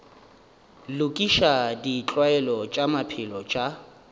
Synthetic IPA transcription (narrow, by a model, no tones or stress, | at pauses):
lʊkʼiʃadit͡ɬʼwaɛlɔt͡ʃʼamapʰɪlɔt͡ʃʼa